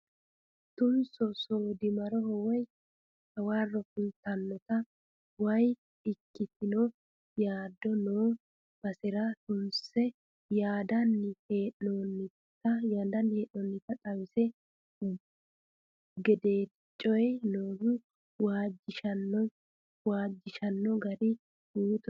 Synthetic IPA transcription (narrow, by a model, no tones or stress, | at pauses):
t̪ʊnsɔsoːd̪ɪmɐɾɔhɔwɔj | hɐwaːrːɔkʊlt̪ɐnːɔt̪ɐ | wɐj | ɪkːɪt̪ɪnoː | jaːd̪ɔnoː | b̥ɐsɪɾɐt̪ʊnsɛ | jaːd̪ɐnːɪheːʔnonːɪ | t̪ːɐjaːd̪ɐnːheːʔɔnːɪt̪ːɐt̪ʼɐwɪsɛ | ɡɛd̪e̞ː | t͡ʃʼːɔjnoːɡʊ | waːd͡ʒːɪʃɐnːɔ | waːd͡ʒːɪʃɐnːɔɡɐɾɪ | uːt̪